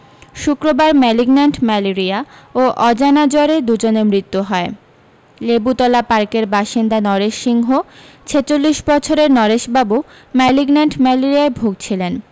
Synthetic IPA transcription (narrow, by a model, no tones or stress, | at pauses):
ʃukɾobaɾmɛliɡnaɳʈmɛleɾiaoʔɔd͡ʑanad͡ʑɔɾed̪ud͡ʑonemɾit̪ːuɦɔe | lebut̪ɔlapaɾkeɾbaʃind̪anɔɾeʃːiŋɦo | t͡ɕʰet͡ɕolːiʃbɔt͡ɕʰoɾeɾnɔɾeʃbabu | mɛliɡnaɳʈmɛleɾiaebʱuɡ̚t͡ɕʰilen